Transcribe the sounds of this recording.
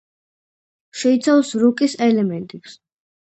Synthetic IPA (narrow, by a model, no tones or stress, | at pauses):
ʃɛit̪sʰafsɾukʼisɛlɛmɛnt̪ʼipʰs